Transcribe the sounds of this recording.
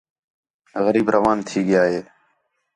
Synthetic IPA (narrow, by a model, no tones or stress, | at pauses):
ɣəɾiːbɾəʋaːnt̪ʰiːɠɪjaːɦeː